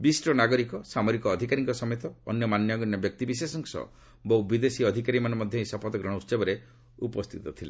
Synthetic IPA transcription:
bisʈɔnaɡɔɾikɔsamɔɾikɔːd̪ʱikaɾiŋkɔsɔmjt̪ɔːnjɔmanjɔɡɔnjɔbjɔk̚t̪ibisesɔŋsɔ̰ | bɔubid̪esiɔd̪ʱikaɾimanɔmɔd̪ʱjɔĩsɔpʰɔt̪ɔɡɾɔɽ̃ɔust͡ʃebɔɾe | upɔst̪ʰit̪ɔt̪ʰilḛ

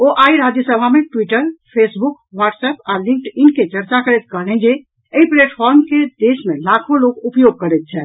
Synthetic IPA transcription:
oʔaiɾad͡ʒjəsəbʱameʈwiʈəɾpʰesbuk | ʋaʈsəpaɾlĩŋkʈinket͡ʃəɾt͡ʃakəɾɛt̪kəɦlɛ̃d͡ʒe | əipleʈpʰɔɾmked̪esmelakʰoloɡupjoɡ̚kəɾɛt̪̚t͡ʃʰɛ

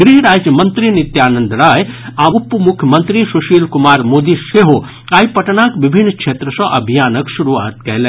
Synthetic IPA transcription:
ɡɾiɦɾaːd͡ʒjəmənt̪ɾinit̪jaːnənd̪ɾaːjaupːmukʰjəmənt̪ɾisuʃiːlkumaːɾmoːd̪iseɦo | aːipɐʈnakʋibʱinːkʰet̪ɾəsɔ̃ʔɐbʱijaːnəksuɾuʋa̰ːt̪̚kɛjlɛ

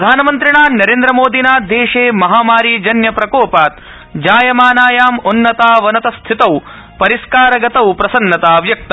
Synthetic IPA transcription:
ɾd̪ʱaːnɐmɐnt̪ɾiɳaːnɐɾeːnd̪ɾɐmoːd̪inaːd̪eːʂeːmɐɦaːmaːɾid͡ʒɐnjɐpɾɐkoːpaːt̪ | d͡ʒaːjɐmaːnaːjaːmunːɐt̪aːʋɐnɐt̪ɐst̪ʰit̪ɐw | pɐɾiskaːɾɐɡɐt̪ɐwpɾɐsɐnːɐt̪aːʋjɐk̚t̪ɐ

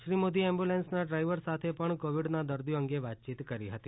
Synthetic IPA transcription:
ʃɾimod̪iɛmbjulensnaɖɾaiʋəɾsat̪ʰepəɳkoʋiɽnad̪əɾd̪ijoəŋɡeʋat̪̚t͡ʃit̪kəɾiɦət̪i

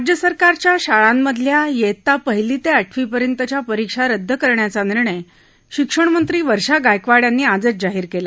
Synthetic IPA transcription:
d͡ʑjəsəɾkaɾt͡ɕjaɕaɭamːəd̪ʱljajet̪apəɦiliːt̪eaʈʰʋipəɾjənt̪ət͡ɕjapəɾikʂaɾəd̪ʱːəkəɾɳjat͡saniɾɳ̃əj | ɕikʂəɳmənt̪ɾiːʋəɾʂaɡajkʋaɽjanːiːad͡zət͡sd͡zaɦiːɾkela

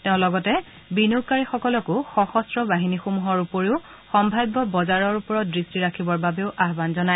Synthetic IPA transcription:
teʊ̃lɔɡɔtɛ | binoɡ̚kaɹixɔkɔlɔkʊxɔxɔstɹɔbaɦinixomuɦɔɹupoɹiʊ | xɔmbʱajbːɔbɔzaɹɔɹupɔɹɔt̚dɹistiɹakʰibɔɹbabeʊʔaɦbanzɔna

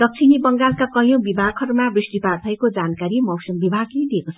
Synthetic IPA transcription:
d̪ʌk̚t͡sʰinibʌŋɡalkakʌjõbibʱaɡ̚kʰʌɾmabrisʈipart̪ʰʌjkod͡zankaɾimʌwsʌmbibʱaɡled̪iekot͡sʰʌʌ

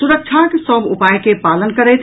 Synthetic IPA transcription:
suɾək̚t͡ʃʰakesəbupajkepalənkəɾɛjt̪ʰ

